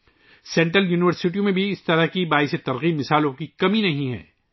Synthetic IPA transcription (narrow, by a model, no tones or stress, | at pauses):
sɛ̃ɳʈɾəljuːnɪʋəɾsɪʈ̬iõmẽbʱiɪst̪ɐɾəɦkibaːɪset̪ɐɾɣiːbmɪsaːlõkikɐminɐɦĩɦɛ̰̃ː